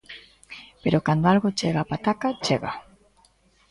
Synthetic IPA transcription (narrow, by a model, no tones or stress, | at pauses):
peɾokand̪oalɣot͡ʃeɣapat̪akat͡ʃeɣa